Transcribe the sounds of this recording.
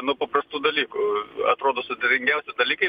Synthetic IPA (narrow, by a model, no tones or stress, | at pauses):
nʊpɐpɾɐst̪uːd̪ɐlʲiːkʊɐt̪ɾoːd̪oːsʊd̪ʲet̪ʲɪŋʲɡʲɛʊsʲɪd̪ɐlʲiːkɐɪ